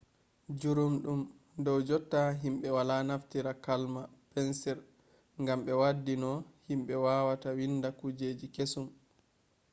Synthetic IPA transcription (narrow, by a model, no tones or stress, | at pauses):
d͡ʒuɾumɗum | dɔwd͡ʒɔtːaɦimɓɛwalanaftiɾakalmapɛnsɛɾ | ŋɡamɓɛwadːinɔhimɓɛwawatawindakud͡ʒeːd͡ʒikesum